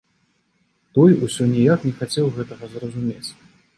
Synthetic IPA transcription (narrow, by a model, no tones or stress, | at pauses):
t̪ɔjusʲɔnʲijaknʲɛxat͡sʲɛwɣɛt̪ɐɣɐzrɐzumʲet͡sʲ